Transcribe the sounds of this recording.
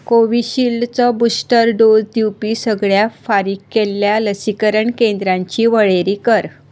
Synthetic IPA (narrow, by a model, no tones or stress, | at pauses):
koʋiɕilt͡sɔbusʈəɾɖod͡zd̪iwpiːsəɡɭjafaɾikːelːjaləsikəɾəɳkend̪ɾãɲt͡ɕiːʋəɭeɾiːkəɾ